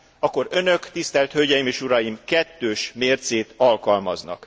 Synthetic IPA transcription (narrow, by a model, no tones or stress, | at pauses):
ɒkːo̞ɾø̞nø̞kt̪ist̪ɛlt̪høɟɛjimeːʃuɾɒjimkɛt̪ːøːʃmeːrt̪seːt̪ɒlkɒlmɒ̰znɒ̰k